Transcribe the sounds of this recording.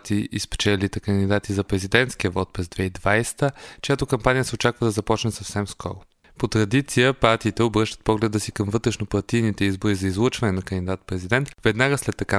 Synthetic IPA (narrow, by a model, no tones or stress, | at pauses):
t̪iʔispɛ̥t͡ʃɛlit̪ɛkənd̪id̪at̪izɐpɾɛzid̪ɛnt̪skʲiəvɔt̪̚pɾɛzd̪vɛid̪vajsɛ̥t̪ət͡ʃojat̪okɐmpanʲijəsɛot͡ʃakvəd̪ɐzɐpɔt͡ʃnɛsɐfsɛmskʰɔ̰ɾʊ | pot̪ɾɐd̪it̪sijəpaɾt̪iːt̪ɛobɾɤʃt̪ət̪pɔɡlɛd̪əsikəmvɤt̪ɾɛʃnopɐɾt̪init̪ɛizboɾizɐizlˠət͡ʃvɐnɛnɐkənd̪id̪at̪pɾɛzid̪ɛnt̪vɛd̪naɡəslɛt̪ːɐka